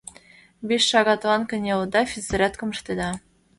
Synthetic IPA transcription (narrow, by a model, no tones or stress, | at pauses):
beʃːɑɣɑt̪wɑnkɘ̆nʲeɤd̪ɑfʲit͡sɘ̆ɾʲæt̪kɤ̆mɤ̆ʃt̪ed̪ɑ